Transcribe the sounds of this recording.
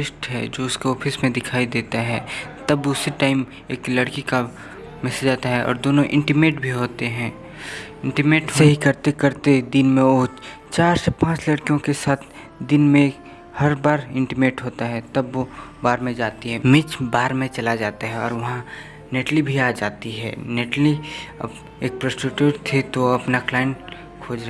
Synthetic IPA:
ɪsʈɦɛ̰d͡ʒoːʊskoɔːpʰɪsmẽd̪ɪkʰaːid̪eːt̪aɦɛt̪ɐbʊseʈaːɪm | eːklɐɽkika | mɛsed͡ʒaːt̪aɦɛʔɔ̰ːɾd̪oːnõʔɪ̰̃ɳʈɪmeːʈbʱiɦoːt̪eɦɛ̃ː | ɪ̃ɳʈɪmeːʈseɦikɐɾt̪ekɐɾt̪ed̪ɪnmẽoː | t͡ʃaːɾsepãːt͡ʃlɐɽkijõkesaːt̪ʰ | d̪ɪnmẽ | hɐɾbaːɾɪ̃ɳʈɪmeːʈɦoːt̪aɦɛt̪ɐbːobaːɾmẽd͡ʒaːt̪iɦɛ̃mɪt͡ʃbaːɾmẽt͡ʃɐlad͡ʒaːt̪aɦɛɔːɾʋɐɦã | neʈlibʱiaːd͡ʒaːt̪iɦɛ̰neːʈliɐ̰b | eːk̚pɾəsʈɪʈjuːʈt̪ʰet̪oɐpnaklaːjɪ̃ɳʈ | kʰoːd͡ʒɾ

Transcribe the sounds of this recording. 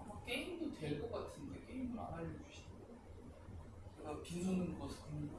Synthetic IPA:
k͈e̞imdote̞ɭk͈ʌk͈atʰɯndek͈eimduɾa̰naʎːot͡ɕuɕʰi̥ | apinsʰonɯnɡʌsʰkɯɲi

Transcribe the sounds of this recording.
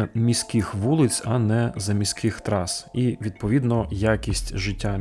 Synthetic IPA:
mʲisʲkɪxʋulˠɪt͡sʲɐnɛzɐmʲisʲkɪxt̪ɾɑsiʋʲid̪̚pɔʋʲid̪nɔjakʲisʲtʲʒɪtʲːa

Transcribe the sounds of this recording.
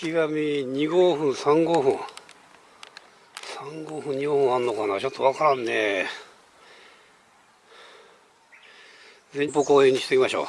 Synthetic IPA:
kʲiɡamʲiɲiɡoːɸɯ̟̃ɰ̃sãŋɡoɸɯ̃ɰ | sãŋɡoːɸɯ̟̃ɲɲiɡoːhɯ̃annːo̞kanaːt͡ɕo̞t̪ːoβakaɾãnːe | d͡zẽɲpokoːẽɲ̟ːiɕi̥t̪ekʲimaɕo̰ː

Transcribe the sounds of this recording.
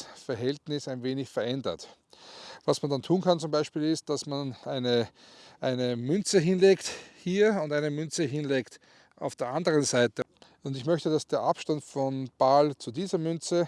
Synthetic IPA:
fɛɐɦɛltnɪsæɪnveːnɪçfɛɐʔɛndɐ̰t | vasmandantʰuːnkʰant͡sʊmbaɪʃpiːlɪst̚d̥asmanʔaɪnəʔaɪnəmʏnt͡səɦɪnleːkthiːɐʊndaɪnəmʏnt͡səɦɪnleːkt | ʔa̰ʊfd̥eːɐʔandəʁənzaɪtə | ʊ̃ndɪçmœçtəd̥asd̥eːɐʔapʃtantfɔnb̥alt͡sudiːzɐmʏnt͡sə

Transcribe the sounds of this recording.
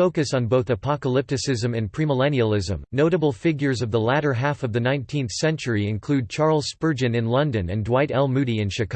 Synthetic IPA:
oʊkɨsn̩boʊθɨpʰɑkəlɪp̚tɨsɪzɨ̃mɨ̃npʰɹ̥iməlɛ̃niəlˠɪzə̰̃mnoʊɾəbl̩ˠfɪɡjə˞zʌvðəlæɾə˞ɦæfʌvðɨnãɪ̃ntʰĩnθsɛ̃nt͡ʃə˞iɨ̃nkʰl̥ʉd̚t͡ʃʰɑɹl̩ˠz̥spɜ˞d͡ʒɨ̃nɨ̃nlʌ̃ndɨ̃nɨ̰̃ndwaɪɾɛlˠmʉɾiɨ̃nʃɨkʰ

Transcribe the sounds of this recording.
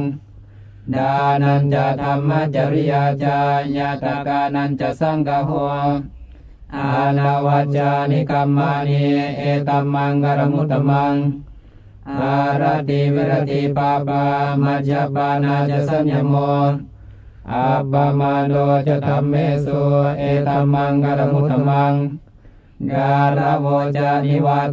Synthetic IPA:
ŋ | danant͡ʃat̪amːat͡ʃaɾijat͡ʃaɲat̪akanant͡ʃasaŋkaɦo | danawat͡ʃanikamːaniet̪amaŋɡaɾamut̪amaŋ | ɡaɾat̪iwiɾat̪ipapamad͡ʒapanad͡ʒasand͡ʒamo | apamadot͡ʃat̪amːesuet̪amaŋɡaɾamut̪əmaŋ | ɡaɾawot͡ʃaniwa

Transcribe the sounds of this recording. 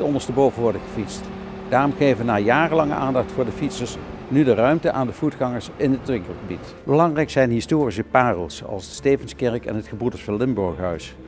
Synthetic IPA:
tɔndəɹstəbowvənʋɔɹdəχəfitst | d̥aːrɔmχejvəʋənaːjaːrəlɑŋə̰ʔaːndɑχtfʊːɹdəfitsəɹsnydərœɥmtəʔaːndəvutχɑŋəɹsɪnɦətʋɪŋkəlˠχəbit | bəlɑŋrɛjksɛjnɦɪstoːris̬əpaːrəlˠso̰ʔɑ̰lˠsdəstejvənskɛɹkɛ̰nɦətχəbudəsfɑnlɪmbɔɹxɦœɥs

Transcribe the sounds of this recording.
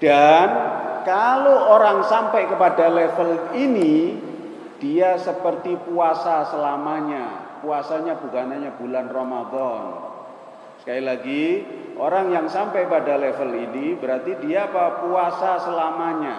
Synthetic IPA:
d̥ankaloʔoɾaŋsampɛʔkəpadalɛfəlini | d̥iasəpərt̪ipuasasəlamaɲapuasaɲabukanaɲabulanromad̪ɔn | sə̥kailaɡiʔo̰ɾaŋjaŋsampɛkpadalɛfəlinibəɾart̪idiaːpapuasasəlamaɲa

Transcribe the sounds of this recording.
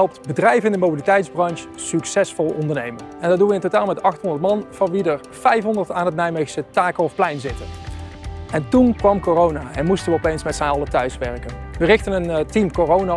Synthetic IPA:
ɛlˠp̚tbədrɛjvəɪndəmowbilitɛjtzbrɑnʃ | syksɛsfɔlˠɔndəɹnejmənɛndɑtdunʋəɪntotaːlˠmɛtɑxtɦɔndəɹtmɑnv̥ɑnʋidəɹ | fɛjfɦɔndəɹtaːnɦətnɛjmexsətaːkəlɔfplɛjnzɪtən | ɛntunkʋɑmkorownaːɛnmustənʋəɔpejnsmɛtsɛnɑlˠətœɥsʋɛɹkənʋərɪxtənəntimkorowna

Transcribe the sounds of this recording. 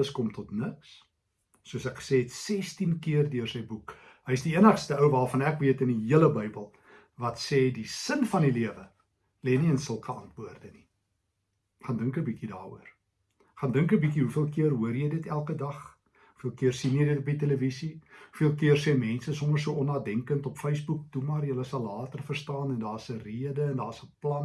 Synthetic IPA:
əskɔmtɔtnəksː | uəsækχə̥sɛːɛtsɛstinkiərdyərsəjbuk | ɦəjsdiiənəχstəəwvɑːlˠfɐnækviətəniɦiələbəjbəlˠ | vɐtsɛːdisənfɐndiliəvə | lɛniənsəlˠkəɐntbuərdəni | χɑndəŋkəbikidɑ̰ːṵər | χɑndəŋkəbikiɦufiəlˠkiərɦuərjəjdətælˠkədɐχ | u̥fiəlˠkiərsinjəjdətɔpiteləvisiufiəlˠkiərsɛmɛnsəsɔmərsuəɔnɑːdɛŋkəntɔpfəjsbuk̚tumɑrjələsɐlˠːɑːtərfərstɑːnɛndɑːsəriədəɛndɑːsəplɐn

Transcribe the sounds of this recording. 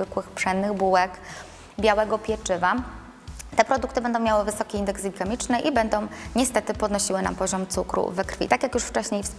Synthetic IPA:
vɘkwɘxpʂɛnːɘɣbuwɛk | bʲjawɛɡɔpʲjɛt͡ʂɘva | t̪ɛpɾɔd̪ukt̪ɘbɛnd̪ɔ̃w̃mʲjawɘvɘsɔkʲiind̪ɛksbʲikamʲit͡ʂnɘʔibɛnd̪ɔ̃w̃ɲɛst̪ɛt̪ɘpɔd̪nɔɕiwɘna̰mpɔʑɔmt̪sukɾṵvɛkɾfʲḭt̪akjakjuʂft͡ʂɛɕɲejfs

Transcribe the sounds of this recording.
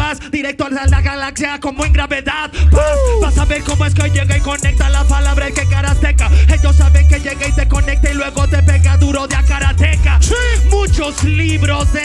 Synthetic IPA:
asd̪iɾek̚t̪oalsald̪aɣalaksjako̞moeŋɡɾaβe̞ðaðpabasaβeɾko̞moes̬keoʎeɣaiko̞nek̚t̪alapalaβɾaekekaɾast̪ekae̞ʝo̞s̬ːaβeŋke̞ʝe̞ɣait̪e̞ko̞ne̞k̚t̪ailwe̞ɣo̞t̪e̞peɣaðuɾo̞ðeakaɾat̪ekamut͡ʃo̞sliβɾo̞zde

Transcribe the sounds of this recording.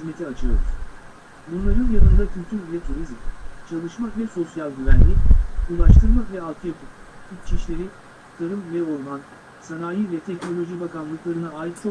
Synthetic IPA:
izme̞t̪ʰiat͡ʃʰɯlo̰ɾṵz̥ | bunlˠaɾɯnjanɯnd̪acʰylʲt̪ʰyɾvɛt̪ʰuɾizmt͡ʃʰalˠɯʃmavɛso̞sjalʲˠɟyvænlʲiulˠaʃt̪ʰɯɾmavɛalˠt̪ʰɯjapʰɯpit͡ʃʰiʃlʲe̞ɾi | t̪ʰaɾɯmvɛo̞ɾman | sanaːjivɛt̪ʰɛcnolʲo̞ʒibakanlˠɯklˠaɾɯnaaːjit̪t͡ʃʰo

